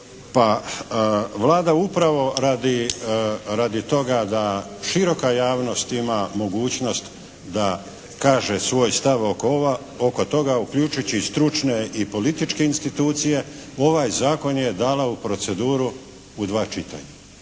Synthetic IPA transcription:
pa | ʋlaːd̪aupɾaʋo̞ɾaːd̪i | ɾad̪it̪o̞ɡad̪aʃiɾo̞kajaːʋno̞st̪imamo̞ɡuːt͡ɕno̞st̪ | d̪a | kaːʒesʋo̞ːjst̪aʋo | oko̞t̪o̞ɡaukʎut͡ʃut͡ɕist̪ɾut͡ʃne̞ipo̞lit̪it͡ʃke̞inst̪it̪uːt̪sije̞o̞ʋajzaːko̞nje̞d̪aːlaupɾo̞t̪se̞d̪uːɾu | ud̪ʋaːt͡ʃit̪a̰ɲa

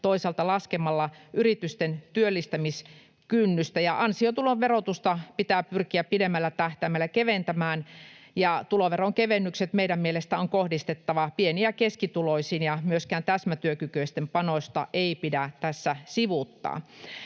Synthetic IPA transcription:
t̪oisɑlt̪ɑlɑskemɑlːɑʔyrit̪yst̪ent̪yølːist̪æmis | kynːyst̪æjɑʔɑnsiot̪uloʋʋerot̪ust̪ɑpit̪æːpyrkiæpidemːælːæt̪æht̪æːmælːækeʋent̪æmæːnjɑt̪uloʋeroŋkeʋenːykset̪meiɾæmmielest̪æoŋkohdist̪et̪ːɑʋɑpieniækeskit̪uloisiːnjɑmyøskæːnt̪æsmæt̪yøkykøist̪empɑnosʲt̪ɑ̰ʔeipidæt̪æsːæsiʋut̪ːɑ̰ː

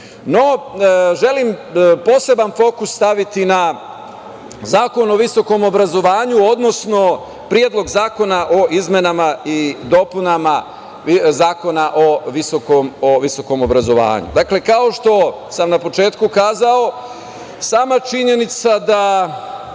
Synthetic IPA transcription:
no̞ʒe̞limpo̞se̞banfo̞ːkusːt̪aʋit̪ina | zaːko̞no̞ʋiso̞ko̞mo̞bɾazo̞ʋaːɲuo̞d̪no̞sno̞ | pɾijed̪lˠo̞ɡzaːko̞naʔo̞ʔizme̞namaid̪o̞punama | zaːko̞naʔo̞ʋisokomoʋiso̞ko̞mobɾazo̞ʋa̰ːɲṵd̪akle̞kao̞ʃt̪o̞ | samnapo̞t͡ʃe̞ːt̪kukaːzao̞ | saːmat͡ʃiɲe̞nit̪sad̪a

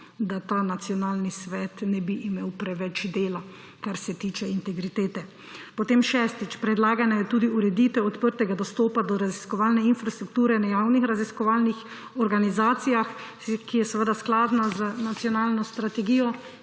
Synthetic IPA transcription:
d̪at̪aːnat̪sjɔnaːlnisʋɛt̪nɛbiʔːmeːwpɾɛʋɛt͡ʃd̪eːla | kaɾsɛt̪iːt͡ʃɛint̪ɛɡɾit̪eːt̪ɛ | pɔt̪eːmʃɛːst̪it͡ʃpɾɛd̪laːɡanajɛt̪uːd̪iuɾɛd̪iːt̪ʋɛɔt̪pəɾt̪ɛɡad̪ɔst̪ɔːpad̪ɔɾaziskɔʋaːlnɛinfɾast̪ɾukt̪uːɾɛnɛjaːwnixɾaziskɔʋaːlnix | ɔɾɡanizaːt̪sijax | kijɛsʋəd̪asklaːd̪nazənat̪sijɔnaːlnɔst̪ɾat̪ɛɡiːjɔ

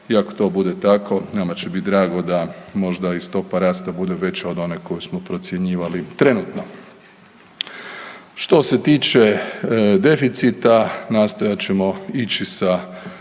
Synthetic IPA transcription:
iako̥t̪o̞bud̪et̪ako̞namat͡ɕebit̪d̪ɾaːɡo̞d̪amo̞ʒd̪aist̪o̞paɾaːst̪abud̪e̞ʋe̞t͡ɕaod̪o̞neko̞jusmopɾo̞t̪sje̞ɲiːʋalit̪ɾe̞nut̪no̞ | ʃt̪o̞set̪iːt͡ʃe̞d̪e̞fit̪sit̪anaːst̪o̞jat͡ɕe̞mo̞it͡ɕisa

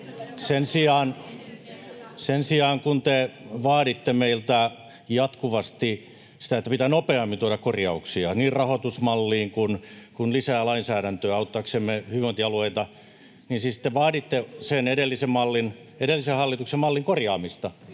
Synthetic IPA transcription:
sensiɑːn | sensiɑːŋkunt̪eʋɑːɾit̪ːemeilt̪æ | jɑt̪kuʋɑst̪i | si̥t̪æet̪ːæpit̪ænopeɑmːint̪uoɾɑkkorjɑuksiɑniːrrɑhot̪usmɑlːiːŋkunkunlisæːlɑinsæːɾænt̪øːɑut̪ːɑksemːehyʋont̪iɑlueit̪ɑ | ninsisi̥t̪ːeʋɑːɾit̪ːeseneɾelːisemmɑlːin | eɾelːisehɑlːit̪uksemɑlːiŋkorjɑːmist̪ɑ

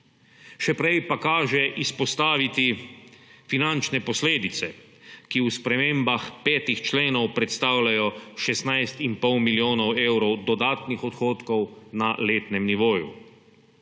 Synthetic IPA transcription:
ʃɛpɾɛjpakaːʒɛʔispɔst̪aːʋit̪i | finant͡ʃnɛpɔsleːd̪it̪sɛ | kiuspɾɛmeːmbaxpɛːt̪ixt͡ʃleːnɔwpɾɛt̪st̪aːwlajɔʃɛsnajst̪impɔwmiljoːnɔwewɾɔwd̪ɔd̪aːt̪nixɔt̪xoːt̪kɔwnaleːt̪nɛmniʋoːjṵ

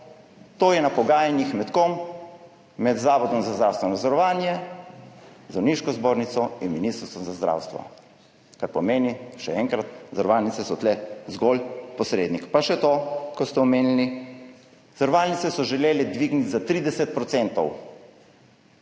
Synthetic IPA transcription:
t̪oːjɛnapɔɡaːjanixmɛt̪kɔmː | ɛd̪zaːʋɔd̪ɔmzazd̪ɾaːwst̪ʋɛnad̪zɔɾɔʋaːnjɛ | zawniʃkɔzboːɾnit̪sɔinminist̪ɾst̪ʋɔmzazd̪ɾa̰ːwst̪ʋɔ̰ | kaɾpɔmeːniʃɛ̰ɛŋkɾat̪zaɾʋaːlnit̪sɛsɔt̪lɛzɡolpɔsɾeːd̪nikpaʃɛt̪okɔst̪ɛɔmeːnili | zaɾɔʋaːlnit̪sɛsɔʒɛleːlɛd̪ʋiɡnit̪zat̪ɾiːd̪ɛsɛt̪̚pɾɔt̪sɛnt̪ɔw

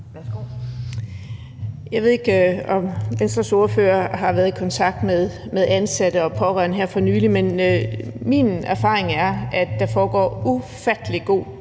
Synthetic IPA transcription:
ʋæsɡ̥o | jɑ̈ɪʋe̝ð̞̰ˠe̝ɡ̥ɒ̽mʋensd̥ʁɐso̝ːɐfø̰ːɐɦɑ̈ʋæɐðˠikʰɒ̽nt͡sʰɑ̈ɡ̥̚d̥meðˠ | meðˠænsæd̥əɒ̽pʰɒ̽ʁɶɐnəɦæɐ̰fɒ̽nyːlimen | mḭnæɐfɑ̰̈ːʁeŋæɐæd̥ːɑ̈fɒːɡ̥ɒ̰ːufæd̥əliɡ̥o̝̰ː

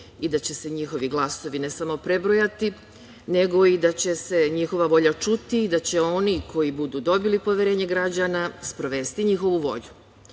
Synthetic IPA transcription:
id̪at͡ɕe̞se̞ɲixo̞ʋiɡlˠaso̞ʋine̞samo̞pɾe̞bɾo̞jat̪i | ne̞ɡo̞id̪at͡ɕe̞se̞ɲixo̞ʋaʋo̞ʎat͡ʃut̪iːd̪at͡ɕe̞o̞nikʰo̞jibud̪uːd̪o̞bilipo̞ʋje̞ɾe̞ːɲe̞ɡɾad͡ʑanaspɾo̞ʋe̞st̪iɲixo̞ʋuʋo̞̰ʎu

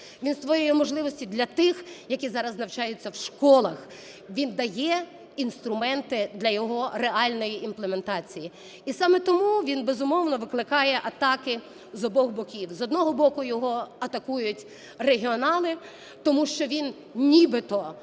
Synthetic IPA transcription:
ʋʲinsʋɔjɔjimɔʒlˠɪʋɔsʲtʲid̪lʲɐt̪ɪxjɐkʲizɑɾɐznɐwt͡ʃɑjʊt͡sʲːɐwʃkɔlˠɐx | ʋʲind̪ɐjɛ | inst̪ɾʊmɛnt̪ɪd̪lʲɐjɔɦɔreɑlʲnɔjiʔimplˠeme̞nt̪ɑt͡sʲiji | isɑmɛt̪ɔmuʋʲinbezʊmɔwnɔʋɪklˠɪkɑjɛʔɐt̪ɑkɪ | zɔbɔɣbɔkʲiwzɔd̪nɔɦɔbɔkʊjɔɦɔɐt̪ɐkujʊtʲ | reɦʲiɔnɑlˠɪ | t̪ɔmuʃt͡ʃɔʋʲin | nʲibɪt̪ɔ

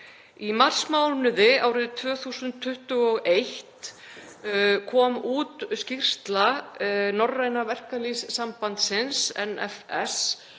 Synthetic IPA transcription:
imar̥smaːwlnʏðɪaːwɾɪðt̪ʰvœːθuːsʏnt̪ʰːʏht̪ʏɔɣejht̪ | kʰɔːmuːt̪scir̥st̪lanɔrːajnavɛr̥kalisːampant̪sɪnsɛ̰nɛ̰fɛ̰s

